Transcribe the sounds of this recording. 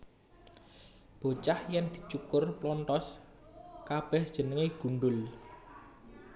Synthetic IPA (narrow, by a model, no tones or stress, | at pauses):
b̥o̤t͡ʃahjɛnd̪̥i̤t͡ʃukʊrplɔnt̪ɔs | kab̥ɛhd̥ʒ̥ə̤nəŋeɡ̥ṳɳɖʊl